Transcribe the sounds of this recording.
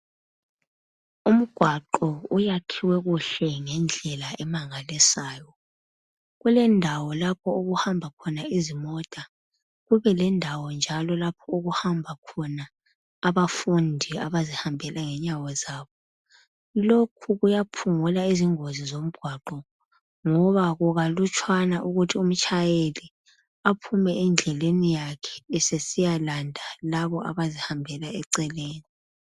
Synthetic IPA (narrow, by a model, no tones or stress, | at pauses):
um̩ɡ̥ʱwaǃɔujakʰiwɛɣuɬɛŋɛnd͡ɮʱɛlaɛmaŋalisaːjɔ | ɣulɛndʱawɔlapʰɔuɣuhambʱakʰɔnaizimɔtʼa | ɣuβɛlɛndʱawɔnd͡ʒʱalɔlapʰɔuɣuhambʱakʰɔnaː | βafundʱiaβazihambʱɛlaŋɛɲawɔzaːβɔ | lokʰuɣujapʰuŋulaiziŋozizom̩ɡ̥ʱwaǃɔ | ŋɔβaɣuɣalut͡ʃʼʰwanaʔuɣutʰium̩t͡ʃʼajeli | apʰumɛɛnd͡ɮʱɛlenijakʰɛ̥ːsesijalandʱalaβɔʔa̰βazihambʱɛlaɛǀɛleːni